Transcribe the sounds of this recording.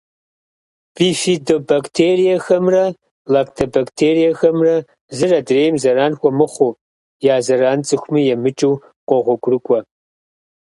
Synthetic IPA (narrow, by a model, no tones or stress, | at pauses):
b̥iːfidobaktʰeːrijɐxɐmrɐ | lakʰtʰobaktʰeːrijɐxɐmrɐ | zɨrɐdreːjmzɐɾaːnxʷɔmɨχʷo | jaːzɐraːnt͡sʼɨxʷmijɛmɨt͡ʃʼiw | qʷʼɔʁʷɔɡʷʼrɨkʷʼɔ